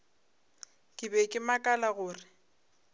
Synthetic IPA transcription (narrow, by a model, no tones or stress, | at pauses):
kʼɪbɛkʼɪmakʼalaɣʊːrɪ